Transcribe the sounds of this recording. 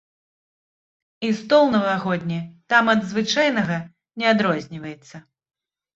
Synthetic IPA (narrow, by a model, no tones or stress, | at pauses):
ist̪ɔlˠnɐvaɣɔd̪ʲnʲit̪amɐd̪zvɨt͡ʂajnɐɣɐ | nʲɛad̪ɾɔzʲnʲivɐjɛt̪sːɐ